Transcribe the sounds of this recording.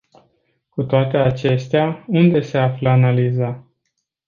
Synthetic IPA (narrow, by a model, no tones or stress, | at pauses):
kut̪oat̪e̞at͡ʃe̞st̪eaund̪e̞se̞afləanaliza